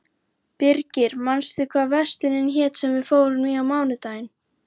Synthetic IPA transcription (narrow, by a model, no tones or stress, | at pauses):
pɪɾcɪɾ̥manst̪ʏkʰvaːðvɛ̥st̪ɪnɪnçɛːt̪sɛmvɪðfoːwɾʏnviawmaːwnɪt̪aːjɪn